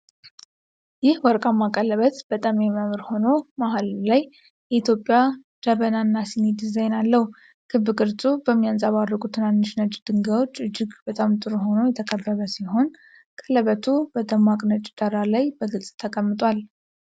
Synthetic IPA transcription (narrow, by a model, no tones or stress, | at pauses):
jɪhwɔɾkʼamːakʼələβət̪b̥ət̪ʼamjɛməmɾho̞no̞mahallaj | jɛit̪ʰjo̞pʼːjad̪̥əβənanːasined̪izajnalːəhu | kʰɨβːɨɡʼɨɾt͡sʼubəmːijansʼaβarːəkʼut̪ʰɨnanːɨʃnət͡ʃʼːd̪̥ɨŋɡawo̞t͡ʃːɨd͡ʒːɪɡbət̪ʼamt̪ʼɨɾɦo̞no̞jɛt̪ʰəkʼəbːəβəsiho̞n | kʰʼələβət̪ʰubəd̪əmːakʼnət͡ʃʼd̪̥əɾalajbəɡɨlsʼt̪ʰəkʼəmːɨt̪ʼwal